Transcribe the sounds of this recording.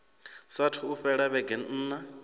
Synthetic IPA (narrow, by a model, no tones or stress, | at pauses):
satʰuːɸɛɺaβɛɡɛn̩n̩ːna